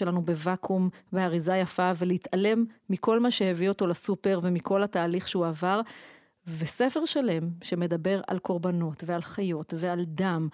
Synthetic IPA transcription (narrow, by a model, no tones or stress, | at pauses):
elanube̞vakʰumbeaʁizajafaveleit̪ale̞mːiko̞lmaʃehevio̞t̪o̞lasupe̞ʁvemiko̞lhat̪aːliχʃeuavaʁ | ve̞sefe̞ʁʃale̞mʃe̞me̞d̪abe̞ʁa̰lko̞ʁbano̞tvealχajo̞t̪ve̞ald̪am